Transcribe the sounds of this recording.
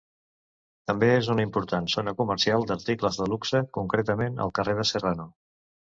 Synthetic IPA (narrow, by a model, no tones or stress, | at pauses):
t̪əmbeezunimpuɾt̪ansonəkuməɾsialˠd̪əɾt̪ikləzðəluksəkuŋkɾet̪əmenə̰lˠkəreð̞əsərano